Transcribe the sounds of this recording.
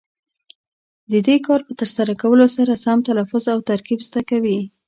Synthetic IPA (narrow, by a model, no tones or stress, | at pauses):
d̪əd̪ekɑɾpət̪əɾsaɾakawəlosaɾasamt̪alafʊzawt̪aɾkibzd̪akawi